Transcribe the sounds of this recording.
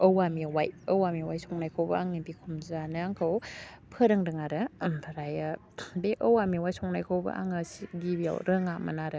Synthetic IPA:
əwamiwajəwamiwajsɔŋnajkʰowbɐaŋnibikʰumzanɯaŋkʰɯwpʰəɾɯŋdɯŋaɾɯpʰaɾaja | beʔəwamiwajsɔŋnajkʰowbɐ̰ʔa̰ŋəsiɡibja̰wɾɯŋamɐ̰naɾɯ

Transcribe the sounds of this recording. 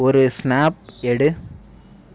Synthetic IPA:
ɔɾɯsnaːp̚ɛɽɯ

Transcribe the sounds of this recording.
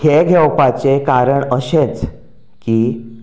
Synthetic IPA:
heɡʱɛwpat͡sekaɾəɳəɕet͡s | kiː

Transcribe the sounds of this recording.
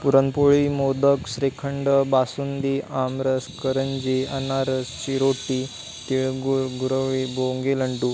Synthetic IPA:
puɾənpoɭimod̪əkɕɾekʰəɳɖəbasund̪iʔamɾəskəɾəɲd͡ʑiənaɾəst͡ɕiɾoʈi | t̪iɭɡuɾɡuɾəʋiboŋɡeləɳʈu

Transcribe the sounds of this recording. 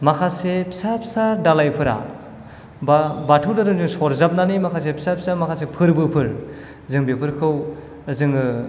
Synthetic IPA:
makʰasepʰisapʰi̥sadalajpʰɯɾa̰ | babatʰɯwdaɾɯŋzɯŋsɔɾzap̚nanimakʰas̬epʰi̥sapʰi̥samakʰasepʰɯɾbɯpʰɯɾ | zɯŋbepʰɯɾkʰɯw | zɯŋɯ

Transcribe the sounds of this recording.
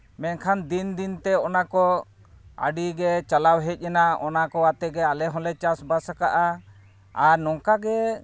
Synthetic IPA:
mɛnkʰand̪ind̪int̪ɛɔnakɔ | a̰ɖiɡɛt͡ʃalawɦɛc̪̚ˀjanaɔnakɔat̪ɛɡɛalɛɦɔ̃lɛt͡ʃasbasakaʔa | aɾnɔŋkaɡɛ

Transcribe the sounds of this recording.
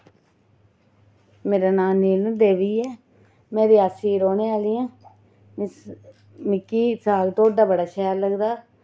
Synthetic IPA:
meːɾaːnaːniːlnũːd̪eːʋiːɛː | meːɾiːaːsiːɾoːneːaːliːɛ̃ː | mɪkːiːsaːlt̪oːɖaːbəɽaːʃɛːəɾləɡd̪aː

